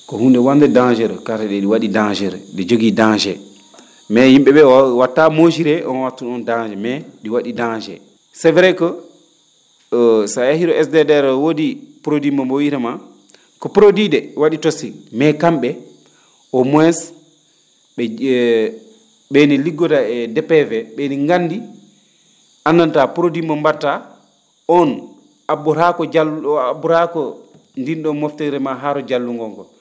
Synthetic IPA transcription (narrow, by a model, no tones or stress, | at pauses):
kɔhundɛwandɛdad͡ʒɛɾkatɛɗɛɗiwaɗidad͡ʒɛɾɗɛd͡ʒoɡidad͡ʒɛ | mɛhimɓɛɓɛwatːamod͡ʒiɾɛʔɔnwatːuɔndad͡ʒɛmɛɗiwaɗidad͡ʒɛ̰ | sɛvɾɛkɔ | sajahiɾɔʔɛsdɛdɛɾwodipuɾodimambowiɾama | kɔpɾodidɛwaɗitosilmɛkamɓɛ | ʔɔmɔɛs | ɓɛ | ɓeniliɡːɔtaɛdɛpɛvɛɓeniŋɡanːdi | ʔanːantapuɾodimːambaɾta | ɔn | abuɾakɔd͡ʒabuɾakɔ | ndinɗɔmɔftiɾɛmaɦaɾɔd͡ʒalːuŋɡɔŋkɔ